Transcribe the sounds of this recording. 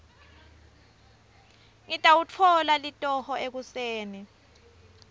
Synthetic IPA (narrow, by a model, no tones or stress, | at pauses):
ŋitʼawut͡fʰɔlalitʼɔhɔek̬useːni